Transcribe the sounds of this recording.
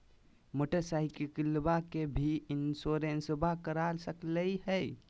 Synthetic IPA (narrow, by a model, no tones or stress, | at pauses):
moʈəɾsaɦikekilbakebʱiinsoɾensbʱakəɾalsəkləiɦəj